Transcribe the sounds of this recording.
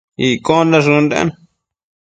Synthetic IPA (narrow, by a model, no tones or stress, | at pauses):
ikondaʃund̪ḛn